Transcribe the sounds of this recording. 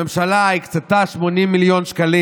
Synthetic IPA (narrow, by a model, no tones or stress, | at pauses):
emʃalaikt͡sat̪aʃmo̞nimːiljo̞nʃkali